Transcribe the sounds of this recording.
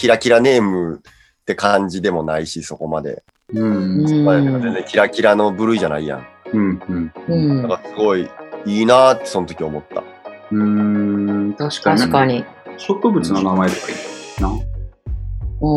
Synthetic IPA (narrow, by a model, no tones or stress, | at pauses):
kʲiɾakʲiɾane̞ːmɯ̟ | t̪ːe̞kãɲ̟d͡ʑid̪e̞mo̞naiɕiso̞ko̞mad̪e̞̰ | ɯ̃aeakazenzd͡zẽŋkʲiɾakʲiɾano̞bɯ̟ɾɯ̟iʑanaijã̰ŋɯ̟̃ɴɯ̟̃ɴɯ̃nãŋkasɨɡo̞iiːnaːt̪ːe̞sonot̪o̞kʲio̞mo̞t̪ːa̰ | ɯ̃ | t̪aɕi̥k̪aakaɲi | ɕo̞kɯ̟bɯ̟t͡sɨno̞namaed̪ekaina